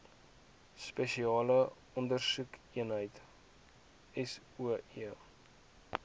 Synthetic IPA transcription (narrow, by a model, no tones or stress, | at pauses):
speʃiɑːlə | ɔndərsukiənɦəjt | ɛs | uəiə